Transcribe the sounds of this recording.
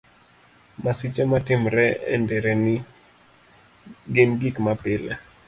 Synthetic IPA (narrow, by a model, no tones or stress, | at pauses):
masit͡ʃɛmatɪmɾɛɛ̰ndɛɾɛni | ɡɪnɡikmapɪlɛ